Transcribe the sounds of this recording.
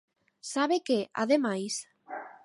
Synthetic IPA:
saβekeʔa̰ðemajs

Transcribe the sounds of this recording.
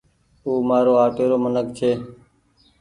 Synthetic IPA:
uːmaːɾoːaːʈeːɾoːmənək̚t͡ʃ̪ʰeː

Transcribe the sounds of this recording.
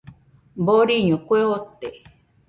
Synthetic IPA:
boɾiɲõkʷeot̪e

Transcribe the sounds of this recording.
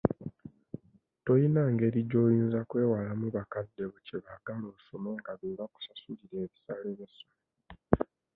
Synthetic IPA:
to̞jinaŋɡe̞ːɾiɟo̞jiːnzakwe̞ːwalamuβakadːe̞βuceβaɡalosomeŋɡaβeβaku̥sasuliɾe̞ːβisaːleβesome

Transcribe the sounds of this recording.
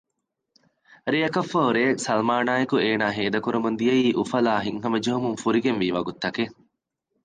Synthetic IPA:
ɾijɐkɐfːɐɦoɾeːsɐlmaːnaːjekueːnaːɦeːd̪ɐkuɾumund̪ijɐiːʔufɐlaːɦiŋɦɐmɐd͡ʒeɦumuŋfuɾiɡenʋiːʋɐɡut̪ːɐke

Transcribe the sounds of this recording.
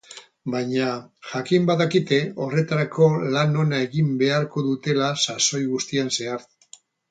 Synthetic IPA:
bajɲaʝakimbaðakit̪e̞o̞re̞t̪aɾakʰo̞lano̞nae̞ɣimbe̞aɾko̞ðut̪e̞lasaso̞jɣust̪ianse̞aɾt

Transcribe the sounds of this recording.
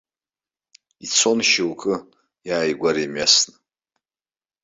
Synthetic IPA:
it͡sʰo̞nʃiwkʼɨ | jaːjɡʷaɾimɥasnɨ

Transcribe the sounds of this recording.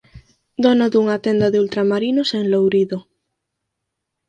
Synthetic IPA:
d̪ɔnoðuŋat̪ɛnd̪aðeult̪ɾamaɾinoseŋlowɾiðo

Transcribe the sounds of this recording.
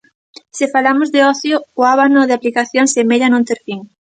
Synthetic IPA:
sɪfalamʊzðeɔθjʊːaβanoðeaplikaθjoŋsemeʎanõnt̪eɾfiŋ

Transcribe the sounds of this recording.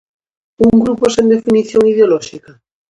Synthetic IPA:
uŋɡɾuposend̪efiniθjoŋið̞eolɔʃika

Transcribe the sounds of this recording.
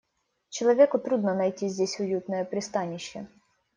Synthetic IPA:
t͡ʃɔlˠɔʋʲikʊt̪ɾud̪nɔnɐjtʲizʲd̪ʲisʲʊjut̪nɔjɛpɾʲɪst̪ɑnʲːiʃɛ

